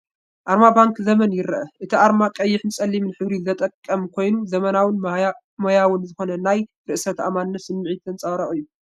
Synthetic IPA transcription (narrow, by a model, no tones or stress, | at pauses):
ʔaɾmabaŋkzɐmɐnjɪɾɐʔɐʔɨt̪ʰiʔaɾmakʼɐjːɪħnɨsʼɐlːimnħɨβɾizɐt̪ʼɐkʼːɐmkʰo̞jnuzɐmɐnawɨn | mojawɨnzɨxo̞nɐnaj | ɾɨʔsɐt̪ʰa̰manːɐsɨmːɨʕit̪ʰɨnt͡sʼɐβɾɐχʼɨjːu